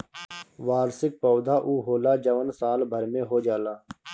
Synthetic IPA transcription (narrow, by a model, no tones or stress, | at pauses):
ʋaːɾsɪk̚pɔːd̪ʱaːʔuːɦoːlaːd͡ʒəʋənsaːlbʱəɾmẽɦoːd͡ʒaːlaː